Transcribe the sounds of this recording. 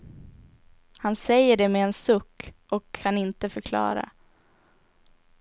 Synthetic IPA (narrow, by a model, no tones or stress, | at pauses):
hansɛjːəɖɛmeːnsɵkːʔɔkʰːanɪnt̪əfœɾkʰlɑ̰ːɾa̰